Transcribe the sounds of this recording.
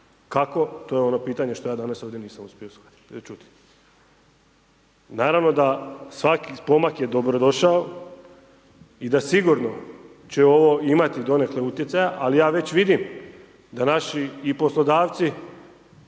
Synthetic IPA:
kako̞t̪o̞jeo̞nopiːt̪aɲe̞ʃt̪ojaːd̪anaso̞ːʋd̪je̞niːsamuspʲjeoskad̪i̥t͡ʃut̪i̥ | naːɾaʋno̞d̪asʋakipo̞makje̞d̪o̞bɾod̪o̞ʃao | id̪asiɡuɾno̞ | t͡ɕeo̞ʋo̞imat̪id̪o̞ne̞kleut̪jesajaʔalijaːʋe̞t͡ɕʋid̪im | d̪anaʃiːpo̞slˠo̞d̪aːʋt̪si

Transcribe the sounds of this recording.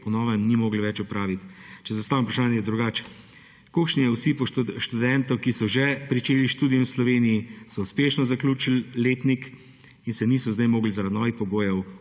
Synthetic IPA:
pɔnɔːʋəmnimoːɡliʋɛt͡ʃupɾaːʋit̪t͡ʃɛzast̪aːʋimpɾaʃaːnjɛd̪ɾuɡaːt͡ʃ | kokʃnijɛwsipɔʃt̪ud̪ɛnt̪ɔkisɔʒɛpɾit͡ʃeːliʃt̪uːd̪ijɛslɔʋeːnijisɔuspeːʃnɔzaklʲuːt͡ʃilleːt̪nik | insɛniːsɔzd̪ɛjmoːɡlizaɾad̪nɔːʋixpɔɡoːjɛw

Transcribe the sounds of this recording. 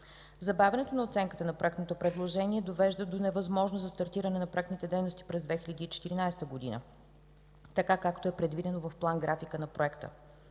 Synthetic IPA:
zɐbavʲɛnɛt̪onɐot̪sɛŋkət̪ənɐpɾoɛkt̪not̪opɾɛd̪lˠoʒɛniɛd̪ovɛʒd̪əd̪onɛvɐzmɔʒnozɐst̪ɐɾt̪iɾɐnɛnɐpɾoɛkt̪nit̪ɛd̪ɛjnost̪i̥pɾɛzd̪vɛxilʲəd̪iːt͡ʃɛ̥t̪iɾinajst̪əɡod̪inə̰ | t̪ɐkakakt̪oɛpɾɛd̪vid̪ɛnovɐfplˠanɡɾafikənɐpɾoɛkt̪ə̰

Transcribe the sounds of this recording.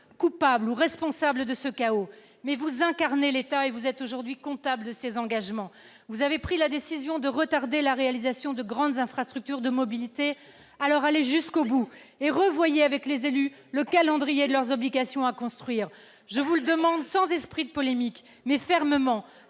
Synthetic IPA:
kupabluʁɛspɔ̃sabləd̪əsəkao | mɛvuzɛ̃kaʁnelet̪aevuzɛt̪oʒuʁd̪ɥikɔ̃t̪abləd̪əsezɑ̃ɡaʒmɑ̃ | vuzavepχilad̪esizjɔ̃d̪əʁət̪aʁd̪elaʁealizasjɔ̃d̪əɡʁɑ̃d̪zɛ̃fχast̪χyk̚t̪yʁd̪əmɔbilit̪e | alɔʁaleʒyskobu | eʁəvwajeavɛklezely | ləkalɑ̃d̪ʁijed̪əlœʁzɔbliɡasjɔ̃akɔ̃st̪χɥiːʁ | ʒəvuld̪əmɑ̃d̪sɑ̃zɛspχid̪əpɔlemik | mɛfɛʁməmɑ̃

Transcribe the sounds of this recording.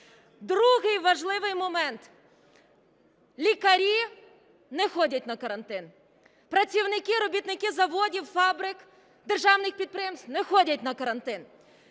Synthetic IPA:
d̪ɾuɦɪjʋɐʒlˠɪʋɪjmɔmɛnt̪ | lʲikɐɾʲi | nɛxɔdʲɐt̚ʲnɐkɐɾɐnt̪ɪn | pɾɐt͡sʲiwnɪkɪɾɔbʲit̪nɪkɪzɐʋɔdʲiwfɑbɾɪk | d̪erʒɑwnɪxpʲid̪̚pɾɪjɛmst̪nɛxɔdʲɐtʲnɐkɐɾɐnt̪ɪn

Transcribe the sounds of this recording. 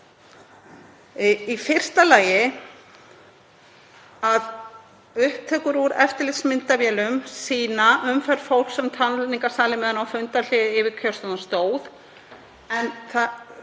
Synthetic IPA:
ifɪr̥st̪alaːjɪ | að | ʏhp̚t̪ʰɛːkʏɾuɾɛft̪ɪɾlɪsmɪnt̪avjɛːlʏmsiːnaʔʏmfɛɾ̥fowl̥ksɛmt̪ʰanʏt̪iŋkḁsaːlɪmɛːðanawfʏnt̪aɾl̥ɪðɪɪvɪɾkʰœ̥st̪ɔnast̪oːwð | ɛnθa

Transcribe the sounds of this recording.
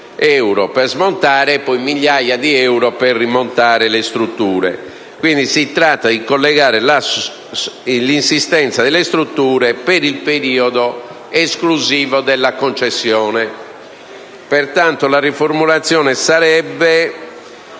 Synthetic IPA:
ɛwɾɔpɛrzmont̪aːɾɛpɔjmiʎːajad̪iɛwɾɔpɛrːimont̪aːɾɛlest̪ɾut̪ːuːɾɛ̰ | kwind̪isit̪ɾat̪ːad̪ikolːɛɣaːɾɛla | linsist̪ɛnt̪saðɛlːest̪ɾut̪ːuːɾɛpeɾilpeɾiːɔd̪ɔ | eskluziːvɔd̪ɛlːakont͡ʃesːjɔːnɛ | pɛɾt̪ant̪olarifoɾmulat̪sːjɔːnɛsaɾɛbːɛ

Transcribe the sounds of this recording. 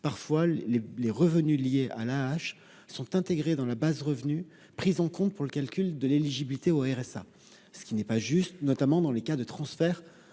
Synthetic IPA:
paʁfwaeleʁəvənylijeʔa̰laːʃ | sɔ̃t̪ɛ̃t̪eɡʁed̪ɑ̃labazʁəvny | pχizɑ̃kɔ̃t̪̚puʁləkʲalkʲyld̪əleliʒibilit̪eoɛʁɛsa̰ | sə̥kʲinɛpaʒyst̪nɔt̪amɑ̃d̪ɑ̃lekad̪ət̪χɑ̃sfɛːʁ

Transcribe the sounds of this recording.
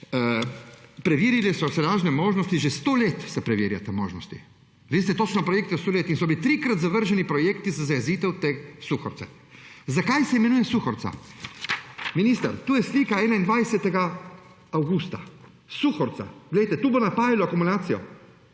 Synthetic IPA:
pɾɛʋiːɾilɛsɔsɛlaːʒnɛmoːʒnɔst̪iʒest̪oːleːt̪sɛpɾɛʋiːɾja̰t̪amo̰ːʒnɔst̪ḭ | ʋiːs̬t̪ɛt̪oːt͡ʃnɔpɾɔjeːk̚t̪jɛst̪oːleːt̪insɔbilit̪ɾikɾat̪zaʋəɾʒɛnipɾɔjeːkt̪izazajɛziːt̪ɛwt̪eːsuxɔ̰ɾsɛ | zakajsɛimɛnuːjɛsuxɔɾt̪sa̰ | miniːst̪ɐɾt̪uːjɛsliːkaɛːnaind̪ʋajsɛt̪ɛɡa | awɡust̪a | suxɔɾt̪sa̰ɡ̥lɛjt̪ɛt̪uːbonapaːʋilɔakumulaːt̪sijɔ̰

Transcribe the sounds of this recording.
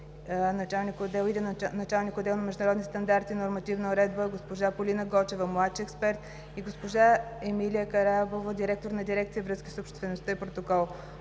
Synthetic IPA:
nɐt͡ʃalˠnikod̪ɛlˠid̪ɛnɐt͡ʃalˠnikod̪ːɛlˠnɐmɛʒd̪ʊnəɾɔd̪nist̪ɐnd̪aɾt̪inoɾmɐt̪ivnəoɾɛd̪bəɡospoʒapolinəɡɔt͡ʃɛvəmlˠat̪ʃiɛkspɛɾt̪ | iɡospoʒaɛmilijəkɐɾabovəd̪iɾɛk̚t̪oɾnɐd̪iɾɛkt̪sijəvɾɤskisopʃt̪vɛnost̪əipɾot̪okɔlˠ

